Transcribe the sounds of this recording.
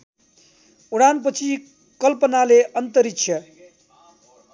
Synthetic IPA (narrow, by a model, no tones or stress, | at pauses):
uɽanp̬ʌt͡sʰi | kʌlpʌnaleʔʌnt̪ʌɾikt͡sʰjʌ